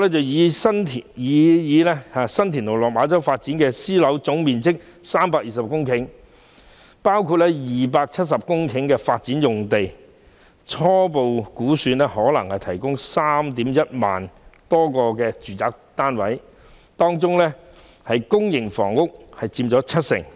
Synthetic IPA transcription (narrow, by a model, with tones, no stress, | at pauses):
lɛː˥t͡sɐ˨wjiː˨˧sɐ˥nt̪ʰːjiː˨˧jiː˨˧lɛ˥aː˨˧sɐ˥nt̪ʰiː˨˩nlo˨wlɔː˨k̚maː˨˧˥t͡sɐ˥wfaː˧t̚t͡siː˨˥nkɛː˧siː˥lɐ˨˥wt͡sʊ˨˥ŋmiː˨nt͡sɪ˥k̚ | saː˥mpaː˧k̚jiː˨˩sɐ˨p̚kʊ˥ŋkʰɪ˨˥ŋ | paː˥wkʰuː˧t̚lɛː˥jiː˨paː˧k̚t͡sʰɐ˥t̚sɐ˨p̚kʊ˥ŋkʰɪ˨˥ŋkɛː˧faː˧t̚t͡siː˨˥njʊ˨ŋt̪e˨j | t͡ʃʰɔː˥po˨wkuː˨˥syː˨˧nlɛ˥hɔː˨˥lɐ˨˩ŋhɐ˨jt̪ʰɐ˨˩jkʊ˥ŋsaː˥mt̪iː˨˥mjɐ˥t̚ma̰ː˨nt̪ɔː˥kɔː˧kɛː˧t͡ʃyː˨t͡saː˧k̚t̪aː˥nwɐ˨˥j | t̪ɔː˥ŋt͡sʊ˥ŋlɛː˥ | hɐ˨jkʊ˥ŋjɪ˨˩ŋfɔ̰ː˨˩ŋːʊ˥k̚hɐ˨jt͡siː˧mt͡ʃɔː˨˥t͡sʰɐ˥t̚sɪ̰˨˩ŋ